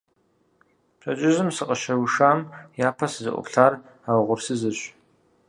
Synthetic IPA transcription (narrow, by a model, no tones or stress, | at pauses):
pʰʷʼat͡ʃʼɪzɨmsɨqʼəʃarwuʂamjapʰaszɨ̰ʔʷʼʊ̰pʰɬar | awʁʷʊrsɨzɨɕʷ